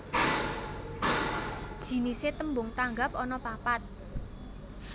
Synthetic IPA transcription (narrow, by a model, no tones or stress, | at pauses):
d̥ʒ̥i̤niset̪əmbʊŋt̪aŋɡapɔnɔpapat̪̚